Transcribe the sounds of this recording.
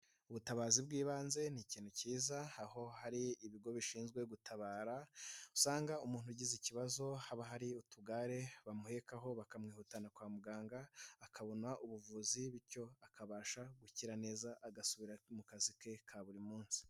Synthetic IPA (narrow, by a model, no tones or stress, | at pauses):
uβutaβaːzibɡiːβaːnze̞niciːn̥uciːzaaho̞haɾiːβiɡo̞βiʃiːnzɡwe̞ɡutʰaβaːɾausaːŋɡaumuːn̥huɟiziciβazo̞haβaɦaɾiutuɡaːɾe̞βamuhe̞kaɦo̞βakamŋiːhuːtanakwaːmuɡaːŋɡaːkʰaβo̞nwaʔuβuvuːziβiɾco̞akʰaβaːʃaɡuciɾane̞ːzaʔaɡasuβiɾamukazike̞kʰaβuɾimuːnsi̥